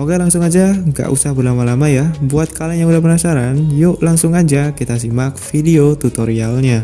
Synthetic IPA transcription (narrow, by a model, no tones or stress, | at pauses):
oɡalaŋsʊŋad͡ʒaŋɡa̰ʔusahbərlamalamajabuat̪̚kalaɲaudahpənasaɾanjoʔlaŋsʊŋad͡ʒakit̪as̬imak̚fideot̪ut̪oɾialɲa